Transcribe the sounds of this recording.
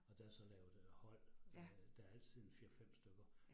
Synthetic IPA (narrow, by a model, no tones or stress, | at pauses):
ɒ̽d̥ææɐsɒ̽lɛːʊð̩ˠhɒ̽l̰d̥ææɐæl̰t͡sʰið̰ˠfiɐfem̰sd̥øɡ̥ɐ